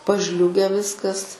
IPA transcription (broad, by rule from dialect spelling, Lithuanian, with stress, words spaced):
pɐˈʒʲlʲʊɡʲɛ ˈʋʲɪskɐs